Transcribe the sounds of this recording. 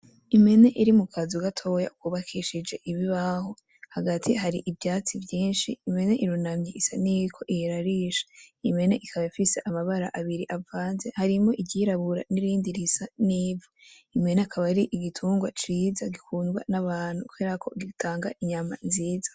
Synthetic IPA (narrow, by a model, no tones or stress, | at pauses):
ime̞ne̞ʔiɾimukʰazuɡatʰo̞ja̰ukuːβakʰiʃid͡ʒe̞ʔiβiβaho̞ | haɡatʰiɦaɾiʔivjaːt͡sivjiːnʃiːme̞ne̞ʔiɾunamɲiisa̰niβikʰo̞ʔiheɾaɾiːʃḁime̞ne̞ʔikʰaβajafise̞ʔamaβaɾaʔaβiɾiʔavaːnze̞haɾimo̞ʔiɟiɾaβuɾa̰niɾiːndiɾisaniːvo | ime̞neakʰaβaɾiʔiɡitʰuːŋɡwat͡ʃiːzaɡikʰuːnɡwa̰naβaːn̥hukueɾakʰo̞̰ɡitʰaːŋɡaʔiɲama̰inziːzḁ